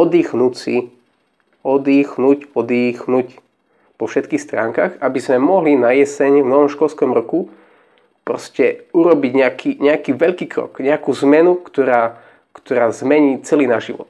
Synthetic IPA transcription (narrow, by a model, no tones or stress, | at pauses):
ɔd̪iːxnut͡sḭ | ɔd̪iːxnucɔd̪iːxnuc | pɔfʃɛt̪̚kiːxst̪ɾa̰ːŋkaxabizmɛmɔɦlinajɛsɛɲvnɔʋɔmʃkɔʎskɔmɾɔku | pɾɔscɛuɾɔbiɟɲɛakʰiɲɛakiːʋɛʎkiːkɾɔ̰kɲɛakuːzmɛnukt̪ɔɾaː | kt̪ɔɾaːzmɛɲiːt͡sɛliːnaʒiʋɔ̰t̪̚